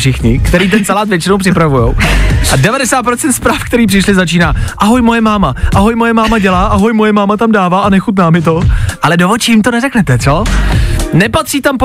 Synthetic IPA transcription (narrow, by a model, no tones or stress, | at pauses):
ʃɪxɲɪkt̪ɛɾiːt̪̬ɛnt͡salaːt̪vjɛt͡ʃɪnowpr̥ɪpɾavujo̰wʔadɛvadɛsaːt̪pɾo̞t͡sɛnt̪spɾaːfkt̪ɛɾiːpr̥ɪʃlɪzat͡ʃiːnaːʔaɦojmojɛmaːmaʔaɦo̞jmojɛmaːmaɟɛlaːʔaɦo̞jmojɛmaːmat̪amdaːvaːʔanɛxut̪naːmɪt̪̬o̞ʔalɛdovot͡ʃɪjɪmt̪o̞nɛrɛknɛt̪ɛt̪t͡so | nɛpat̪r̥iːt̪amp